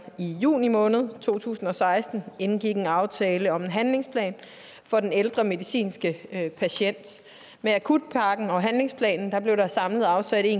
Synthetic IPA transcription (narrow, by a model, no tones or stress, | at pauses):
ijṵːnimɔ̽ːnð̞̩ˠt͡sʰo̝̰ːt͡sʰṵːsn̩ɒ̽sɑ̈ɪsd̥n̩enɡ̥iɡ̥e̝nɑ̈ʊt͡sʰɛːləɒ̽me̝nɦænle̝ŋspʰlɛ̰ːn | fɒ̽d̥eneld̥ʁɐme̝ðisḭːnsɡ̥əpʰæɕen̰d̥ | meækʰud̥̚pʰɑ̈ɡ̥n̩ɒ̽ɦænle̝ŋspʰlɛ̰ːnn̩d̥ɑ̈b̥le̝ʊɾ̥ɑ̈sɑ̈mləð̩ˠɑ̈ʊsæd̥i